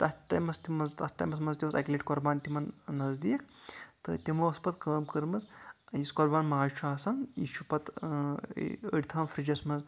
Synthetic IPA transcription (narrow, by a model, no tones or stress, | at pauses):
t̪ɐt̪ʈajmɐst̪imɐzt̪ɐt̪ʰʈːa̰jmɐsmɐnzt̪imɐsɐkʲleʈkɔɾbaːnt̪ʲimɐnnɐzd̪ikt̪ɨ̰t̪ʲimoɐspɐt̪̚kəːmkəɾmɐt͡sjiskɔɾbaːnmaːɾt͡ʃʰaːsanḭʃʰupɐt̪ | ə̰ɽʲit̪ʰaːmfɾid͡ʒɐsmɐnz